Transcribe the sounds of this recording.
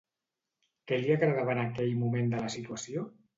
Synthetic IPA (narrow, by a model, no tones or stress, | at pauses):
kɛliaɣɾəðaβanakɛʎmumend̪ələsit̪uasio